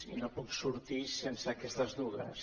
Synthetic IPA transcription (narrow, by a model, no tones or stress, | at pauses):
ḭnõpuksuɾt̪isensakɛst̪ɐzðuɣɐ̰s